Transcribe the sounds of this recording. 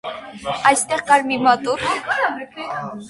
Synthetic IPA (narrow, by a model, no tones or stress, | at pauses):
ɑjst̪ɛʁkɑɾmimɑt̪ʼuɾ